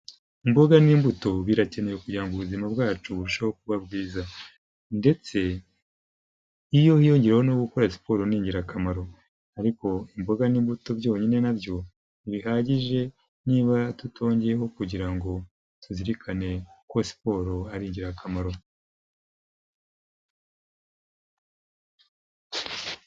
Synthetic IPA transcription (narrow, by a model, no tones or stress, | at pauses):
imboɡaniːmbuto̞βiɾace̞ne̞jokuɟiɾaŋɡuβuzimabɡaːt͡ʃuβuɾuʃawok̚uβabɡiːza | nde̞t͡se̞ | ijo̞hijo̞ɲɟiɾeho̞noɡuko̞ɾasi̥po̞ɾoniːɲɟiɾakamaɾo̞ | aɾiko̞imboɡaniːmbuto̞bjo̞ːɲine̞nabjo̞ | iβiɦaːɟiʒe̞ | niːβatutʰo̞ːɲɟeeɦo̞kuɟiɾaŋɡo̞ | tuziɾikʰane̞ko̞si̥po̞ɾoaɾiːɲɟiɾakʰamaɾo̞